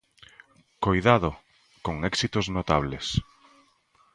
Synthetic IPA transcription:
kojðaðo | koŋɛksit̪oznot̪aβ̞les

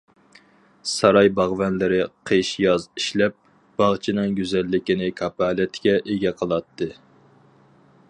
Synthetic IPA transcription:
sɑɾɑjbɑʁvɛnlɪɾɪqʰeʃjɑziʃlɛp̚ | b̥ɑʁt͡ʃʰinɨŋɡʲyzɛlːɪkʲinɪkʰɑpæːlɛt̪ʰɪ̥ɡʲɛʔeɡʲɛqʰəlˠɑt̪ʰːɨ

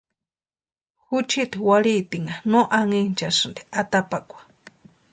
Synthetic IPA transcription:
hut͡ʃit̪iwaɺit̪iŋanõʔaŋint͡ʃasɨnd̪iʔat̪apakʷḁ

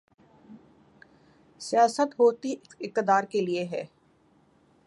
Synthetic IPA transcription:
sɪjaːsət̪ɦoːt̪iɪq̚t̪ɪd̪aːɾkelieɦɛː

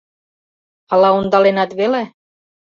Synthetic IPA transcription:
ɑlɑond̪ɑlenɑt̪βele

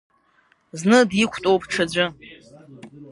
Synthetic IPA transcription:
znɨdjikʷʰtʼowpʰʼʈ͡ʂʰad͡ʑʷʊ

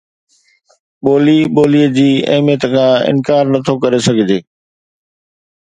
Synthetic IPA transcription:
ɓoːliɓoːliːəd͡ʑiːɐ̰ɦɪmijət̪əkʰãːɪ̰nkaːɾnɐt̪ʰokɐɾesɐɡʱɪd͡ʑeː

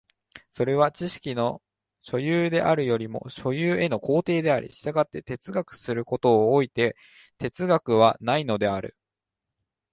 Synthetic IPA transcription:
so̞ɾe̞β̞at͡ɕiɕi̥kʲino̞ | ɕo̞jɯːd̪e̞ʔaɾɯ̟jo̞ɾʲimo̞̰ɕo̞jɯːe̞no̞ko̞ːt̪e̞ːd̪e̞aɾʲḭɕi̥t̪aɡat̪ːe̞t̪e̞t͡sɨɡakɯ̟̥sɨɾɯ̟ko̞t̪o̞ːit̪e̞ | t̪e̞t͡sɨɡakɯ̟β̞anaino̞d̪e̞aɾɯ̟̰

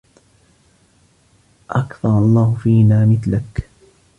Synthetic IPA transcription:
ʔakθɑɾˤɑlˤːɑːhʊfiːnaːmɪθlak

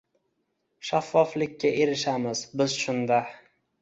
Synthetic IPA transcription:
ʃafːɒflɪkʲːaʔe̞ɾɪʃamɪzbɪzʃʊnd̪a

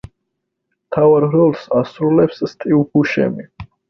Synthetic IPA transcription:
mt̪ʰavaɾɾɔlˠsasɾulɛpsːt̪ʼiupuʃɛ̰mi

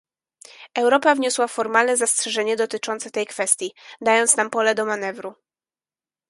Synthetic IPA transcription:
ɛwɾɔpavɲɔswafɔɾmalnɛzastʂɛʐɛɲɛd̪ɔt̪ɘt͡ʂɔnsɛt̪ɛjkfɛst̪ʲjid̪ajɔnt̪snampɔlɛd̪ɔmanɛvɾu

